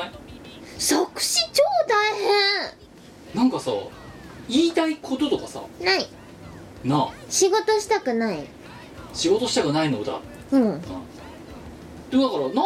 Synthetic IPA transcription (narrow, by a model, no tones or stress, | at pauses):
sakɯ̟̥ɕit͡ɕoːt̪aihẽ | nãŋkasa̰ | iːt̪aikʰo̞t̪o̞t̪o̞kasa̰nai | naɕiɡo̞t̪o̞ɕi̥t̪akɯ̟naḭ | ɕiɡo̞t̪o̞ɕi̥t̪akɯ̟nainod̪a̰ | ɯ̟̃ɴ | d̪od̪akɑɾana